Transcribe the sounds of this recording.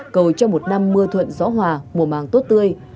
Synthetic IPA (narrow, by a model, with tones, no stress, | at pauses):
kə˨˩wt͡ɕɔ˧mo˨˩t̚na˧mːɨ˧ət̪ʰwə̰˧˨nzɔ˨˦ɦwaː˨˩mu˨˩əmaː˨˩ŋt̪o˦˥t̚t̪ɨ˧əj